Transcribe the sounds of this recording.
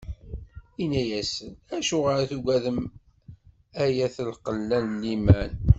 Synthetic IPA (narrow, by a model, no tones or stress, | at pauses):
inːæjæsənæʃuʁəɾθuɡæðəm | æjæθəlqəlːænlːimæn